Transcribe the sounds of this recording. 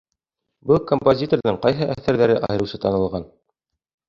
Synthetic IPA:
bɤlˠkompozʲit̪orðɤɴqɑjɦɤʔæθæɾðæɾɘʔɑ̰jɤ̆ɾɤ̆wsɤt̪ɑnɤ̆lˠʁɑn

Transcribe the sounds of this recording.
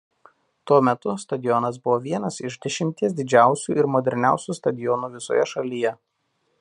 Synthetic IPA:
t̪uɔmʲɛt̪ʊst̪ɐd̪ʲɪjɔnɐsbʊʋoːʋʲiɛnɐsɪʃd̪ʲɛʃʲɪmʲt̪ʲiɛs̬d̪ʲɪd͡ʒʲæˑʊsʲuːɪɾmɔd̪ʲɛɾʲnʲæˑʊsʲuːst̪ɐd̪ʲɪjɔnuːʋʲɪso̰ːjɛʃɐlʲijɛ

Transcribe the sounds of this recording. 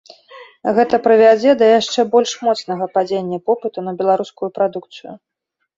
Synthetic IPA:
ɣɛt̪ɐpɾɨvʲad͡zʲɛd̪ɐjaʂt͡ʂɛbɔlʲʂmɔt̪snɐɣɐpad͡zʲenʲːɐpɔpɨt̪unɐbʲɛlˠaɾuskujupɾad̪uk̚t̪sɨjṵ

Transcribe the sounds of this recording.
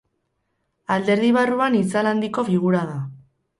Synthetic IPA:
ald̪e̞ɾð̞iβ̞aruanit͡saland̪iko̞fiɣuɾaða

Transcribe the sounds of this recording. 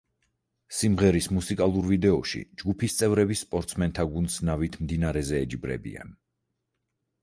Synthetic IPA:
simʁɛɾismusikʼalˠuɾvid̪ɛɔʃḭd͡ʒɡupʰist̪sʼɛvɾɛbisːpʼɔɾt̪sʰmɛnt̪ʰaɡunsnavit̪ʰmd̪inaɾɛzɛːd͡ʒibɾɛ̰bḭa̰n

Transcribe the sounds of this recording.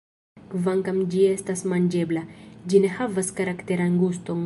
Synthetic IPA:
kvaŋkamd͡ʒiest̪asmand͡ʒeblad͡ʒinehavaskaɾakt̪eɾaŋɡust̪oŋ

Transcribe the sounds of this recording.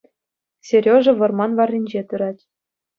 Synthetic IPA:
sʲerʲoʐɤ̆ʋɤ̆rmɑnʋɑrʲːinʲd͡ʑet̪ɯɾɑtʲ

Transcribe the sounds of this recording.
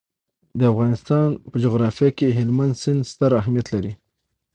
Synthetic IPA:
d̪əafɣɑnɪst̪ɑnpəd͡ʒoɣɾɑfijakeɦɪlmand̪sɪnd̪st̪aɾaɦmijat̪laɾi

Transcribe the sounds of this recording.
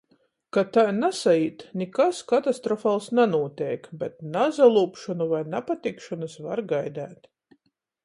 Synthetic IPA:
kat̪ajnasaiːt̪nikaskat̪ast̪ɾɔfalˠsnanuɔt̪ʲɛjkbɛt̪nazalˠuːpʃɔnuvajnapat̪ikʃɔnɨsva̰ɾɡajd̪æ̰ːt̪

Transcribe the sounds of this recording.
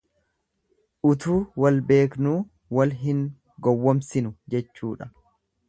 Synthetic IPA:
ʔʊt̪uːwɐlbe̞ːknuː | wɐlɦɪŋ | ɡɔwːɔmsɪnʊd͡ʒɛt͡ʃːuːᶑɐ

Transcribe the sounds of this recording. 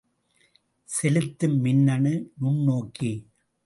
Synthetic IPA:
sɛlɯt̪ːɯmːɪnːɐɳɯnʊɳːoːki

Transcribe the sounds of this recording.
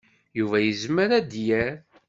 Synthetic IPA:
juvæjəzməɾæd̪jæɾ

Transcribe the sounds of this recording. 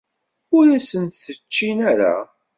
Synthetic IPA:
ʊɾæsənt̪θət͡ʃːinæɾa̰

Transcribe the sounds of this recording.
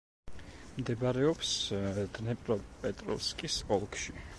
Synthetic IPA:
md̪ɛbaɾɛɔpsd̪nɛpʼɾɔpʼɛt̪ʼɾɔ̰fskʼisɔlˠkʃi

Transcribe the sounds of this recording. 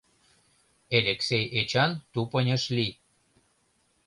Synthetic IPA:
elʲeksejet͡ɕɑnt̪upənʲəʃli

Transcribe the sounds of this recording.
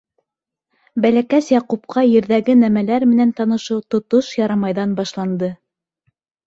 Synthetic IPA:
bælækæsjɑqup̚qʰɑjɘ̆ɾðæɡɘnæmælæɾmɘ̆nænt̪ɑnɤ̆ʃɤwt̪ŏt̪oʃjɑɾɑmɑjðɑnbɑʃlˠɑnd̪ɤ

